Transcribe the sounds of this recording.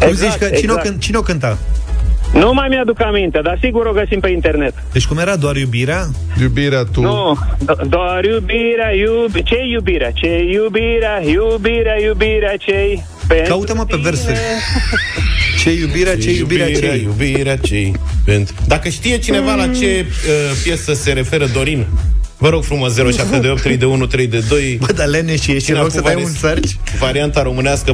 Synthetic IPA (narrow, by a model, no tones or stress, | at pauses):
kumzit͡ʃkət͡ʃineoɨnt͡ʃineokɨnt̪a | numajmjad̪ukamint̪ed̪asiɡuɾoɡəsimpeint̪ernet̪d̪et͡ʃʲkumjeɾad̪oarjubiɾea | jubiɾeat̪unu | d̪oaɾjubiɾeajubt͡ʃejubiɾeat͡ʃejubiɾeajubiɾeajubiɾeat͡ʃej | pek̪aut̪əməpeverse | t͡ʃejubiɾeat͡ʃejubiɾeaɾajubiɾeat͡ʃejpent̪d̪akəʃt̪ije̞t͡ʃine̞valat͡ʃe̞əpje̞səse̞ɾe̞fe̞ɾəd̪o̞ɾinvəɾo̞ɡ̥fɾumosze̞ɾoʃaptt̪ed̪eopt̪ːɾejd̪eunut̪ɾe̞jd̪e̞d̪o̞jbəd̪aleneʃijeʃinasəvajunsart͡ʃʲ | vaɾiant̪aɾo̞mɨneaskə